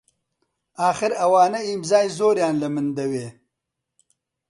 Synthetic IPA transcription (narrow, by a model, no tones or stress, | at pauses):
aːxɪɾɐwɑːnaimzɑːjzoːɾjɑːnlɐmɪnd̪ɐweː